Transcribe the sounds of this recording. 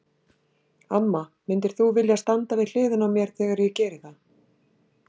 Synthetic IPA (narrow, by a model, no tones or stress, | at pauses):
amːamɪnt̪ɪɾ̥θuvɪljast̪ant̪avɪl̥ɪːðʏnawmjɛɾ̥θɛːɣaɾjɪcɛːɾɪθa